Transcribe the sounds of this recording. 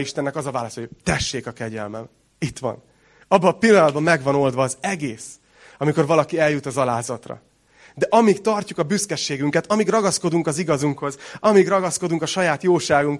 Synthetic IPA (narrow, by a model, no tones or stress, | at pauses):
iʃt̪ɛnːɛkɒzɒvaːlɒst̪ot̪ɛʃːeːkɒkɛɟɛ̰lmɛ̰m | it̪ʋɒ̰n | ɒbːɒpilːɒnɒd̪bɒmːɛɡvɒno̞ld̪ʋɒːzɛɡeːs | ɒmiko̞rvɒlɒkiɛljut̪ɒzɒlaːzɒt̪rɒ̰ | d̪ɛʔɒmikt̪ɒrcukɒbyskɛʃːeːɡyŋkɛt̪ɒmiɡrɒɡɒsko̞d̪uŋkɒziɡɒzuŋkho̞zɒmiɡrɒɡɒsko̞d̪uŋkɒʃɒjaːt̪joːʃaːɡuŋk